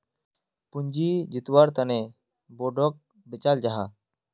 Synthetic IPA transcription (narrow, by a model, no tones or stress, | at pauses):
pʊɲd͡ʒid͡ʒɪt̪waɾt̪əne | boɖɔk̚ | bɪt͡ʃald͡ʒaɦa